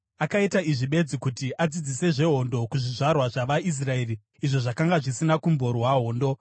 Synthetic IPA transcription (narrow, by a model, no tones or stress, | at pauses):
akaitaiʐiɓe̞d͡zikutiʔad͡zid͡zise̞ʐe̞ɦo̞ndo̞kuʐiʐarwaʐaʋais̬rae̞ri | iʐoʐakaŋɡaʐisinakumbo̞ɾwaɦo̞ːndo̞